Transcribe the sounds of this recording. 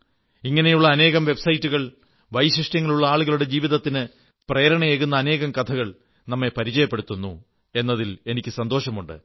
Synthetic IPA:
iŋːɐne̞juɭːɐːne̞ːɣɐmʋe̞bsɐjitːuɣɐɭ | ʋɐjɕiʂʈjɐŋːɐɭuɭːɐaːɭuɣɐɭuɽe̞d͡ʑiːʋiðɐt̪ːinɨ | prejːɐɾɐɳɐjeːɣunːɐːne̞ːɣɐmkɐt̪ʰɐɣɐɭ | nɐmːe̞pɐɾit͡ɕɐjɐpːeɽut̪ːunːṵ | e̞nːɐðile̞nikʲːɨsɐnd̪o̞ːʂɐmuɳɖɨ̰

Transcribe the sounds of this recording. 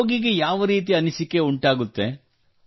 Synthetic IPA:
ɡiɡejaːʋɐɾiːt̪̬iɐnisikːe̞uɳʈaːɡut̪ːe

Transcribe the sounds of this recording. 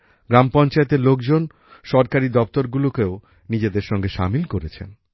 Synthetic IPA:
ɡɾampɔnt͡ɕaet̪eɾlok̚d͡ʑon | ʃɔɾkaɾid̪ɔp̚t̪oɾɡulokeo | nid͡ʑed̪eɾʃɔŋɡeʃa̰milkoɾet͡ɕʰḛn

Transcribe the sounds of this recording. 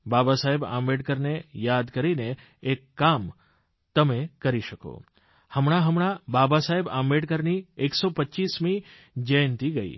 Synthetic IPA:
babasaɦeba̰mbeɖkəɾnejad̪kəɾineː | kːam | t̪əmekəɾiʃəko̰ | həmɳ̃aɦəmɳababasaɦeba̰mbeɖkəɾnieksopətːt͡ʃismi | d͡ʒəjnt̪iɡəḭ

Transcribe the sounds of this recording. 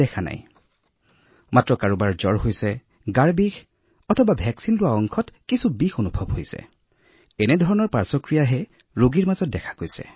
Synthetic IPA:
ɛkʰana̰j | matɹɔkaɹobaɹzɔɹhojsɛ | ɡaɹbix | ɔtʰɔbabʱɛksinlʊwaɔŋkʰɔtkisubixonubʱɔbɦojsɛ̰ | ɛnɛdʱɔɹɔnɔɹpaɹsɔkɹijaɦɛ | ɹoɡiɹmazɔt̚dɛkʰḁkojsɛ̰

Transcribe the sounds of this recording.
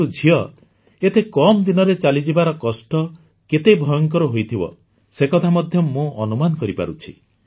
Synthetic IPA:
ud͡ʒʱiɔ | et̪ekɔmd̪inɔɾet͡ʃalid͡ʒibaɾɔkɔsʈɔ | ket̪ejbʱɔjɔŋkɔɾɔɦojt̪ʰibɔ̰ | sekɔt̪ʰamɔd̪ʱjɔmũɔnumanɔkɔɾipa̰ɾut͡ʃʰḭ

